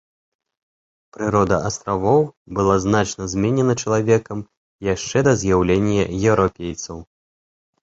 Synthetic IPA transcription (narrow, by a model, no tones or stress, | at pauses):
pɾɨɾɔd̪ɐɐst̪ɾavɔwbɨlˠaznat͡ʂnɐzʲmʲɛnʲɛnɐt͡ʂɐlˠavʲɛkɐm | jaʂt͡ʂɛd̪ɐzʲjawlʲenʲːjɐ̰jɛwɾapʲejt̪sɐw